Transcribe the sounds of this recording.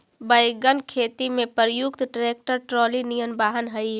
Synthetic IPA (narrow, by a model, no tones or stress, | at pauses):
bɐjɡənkʰeːt̪imẽpəɾjʊkt̪ʈɾeːk̚ʈəɾʈɾɔːlinijənbaːɦənɦɐi